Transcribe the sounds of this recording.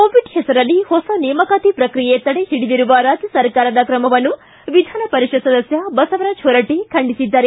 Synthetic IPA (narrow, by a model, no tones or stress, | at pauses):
koːʋiɖhɛsɐɾɐlːihɔsɐnijmɐkaːt̪ipɾɐkɾijeet̪ːɐɽehiɽid̪iɾuʋɐɾaːd͡ʒjɐsɐɾkaːɾɐd̪ɐkɾɐmɐʋɐnːu | ʋid̪ʱaːnɐpɐɾiʂɐsɐd̪ɐsjɐbɐsɐʋɐɾɐd͡ʒʰoɾɐʈekʰɐɳɖisid̪ːɐɾe